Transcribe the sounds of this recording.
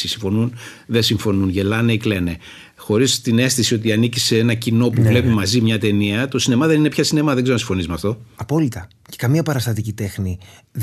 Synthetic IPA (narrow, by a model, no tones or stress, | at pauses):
isiɱfo̞nunðesiɱfo̞nunʝe̞lɐneikle̞ne̞ | xo̞ɾist̪ine̞st̪isio̞t̪iɐniciseenɐcino̞puvle̞pimɐzimɲɐt̪e̞niɐt̪o̞sine̞mɐðe̞nine̞pçɐsine̞mɐðe̞ɡznɐsiɱfo̞nizimɐft̪o̞ɐpo̞lit̪ɐ | cekɐmiɐpɐɾɐst̪ɐt̪̬icit̪e̞xni